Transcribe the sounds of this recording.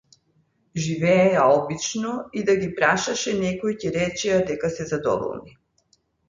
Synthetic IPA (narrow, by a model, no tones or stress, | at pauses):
ʒivɛːaɔbit͡ʃnɔid̪aɡipɾaʃaʃɛnɛkojcɛɾɛt͡ʃɛjad̪ɛkasɛzad̪ɔ̰vɔ̰lˠni